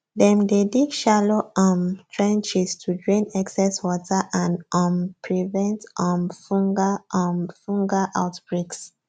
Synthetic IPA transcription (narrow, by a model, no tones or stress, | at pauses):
dɛ̃mdedikʃaloɔ̃mtʰɹɛ̃nt͡ʃistʰud͡ʒɹɔ̃naksɛswɔtʰəʔãnɔ̃mpʰɹivɛ̃ntɔ̃mfɔ̃ŋɡaɔ̃mfũŋɡaʔaʊtb̥ɹeks